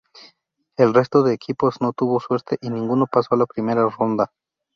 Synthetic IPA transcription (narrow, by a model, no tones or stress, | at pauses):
e̞lre̞st̪o̞ðe̞ːkʰipo̞zno̞t̪uβo̞swe̞ɾt̪e̞ʔinĩŋɡuno̞paso̞alapɾime̞ɾaro̞nd̪a